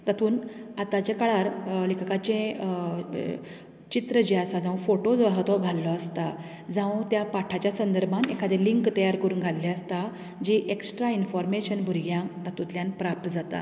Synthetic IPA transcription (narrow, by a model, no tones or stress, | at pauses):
t̪at̪uːnat̪at͡ɕekaɭaɾlikʰakat͡ɕẽ | t͡ɕit̪ɾəd͡ʑeasad͡zãw̃foʈod͡zɦat̪ɔɡʱalːɔast̪a | d͡zãw̃t̪japaʈʰat͡ɕjasənd̪əɾbʱanekʰad̪eliŋkt̪əjaɾkəɾuːnɡʱalːeəst̪a | d͡ʑiʔeksʈɾainfɔɾmeɕənbʱuɾɡjãt̪at̪ũt̪ljãnpɾap̚t̪əd͡zat̪a̰